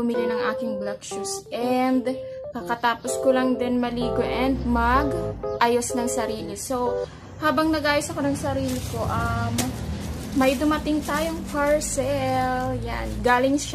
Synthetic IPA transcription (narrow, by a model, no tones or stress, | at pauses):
ʊmilɪnɐŋʔa̰ːkɪŋblak̚ʃusʔɛnd̪ | kɐkɐt̪aːposkolɐŋd̪ɪnmɐliːɡoʔɛnd̪̚mɐɡʔaːjosnɐŋsɐɾiːlɪso̞w | haːbɐŋnɐɡʔaːjosɐko̞nɐŋsɐɾiːlɪko̞ʔɐmː | ɐjd̪ʊmɐt̪ɪŋt̪aːjoŋpɐɹsɛlja̰nɡaːlɪŋ